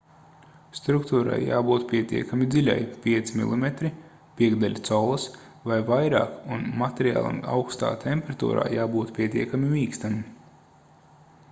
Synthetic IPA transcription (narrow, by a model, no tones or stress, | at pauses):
st̪ɾukt̪uːɾa̰jːa̰ːbuːt̪pʲiɛt̪ḭɛkamid̪zilʲa̰jpʲiɛt̪simḭlˠimet̪ɾi | pʲiɛɡd̪alʲt̪sɔlˠɨs | vajvajɾa̰ːkunmat̪ʲeɾia̰ːlˠa̰ma̰wkst̪a̰ːt̪ʰɛmpʲɛɾat̪ṵːɾa̰ːjaːbuːt̪pʲiɛt̪iɛkamimiːkst̪am